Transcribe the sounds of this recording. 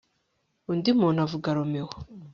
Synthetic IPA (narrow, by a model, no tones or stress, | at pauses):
undimuːnavuɡaɾomewo